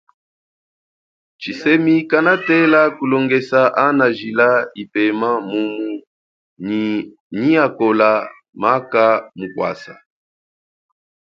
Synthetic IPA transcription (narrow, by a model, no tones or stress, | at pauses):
t͡ʃisɛmikanatɛlakulɔŋɡɛsaʔanaʒilaipɛmamumu | ni | niakɔla | makamukwa̰sa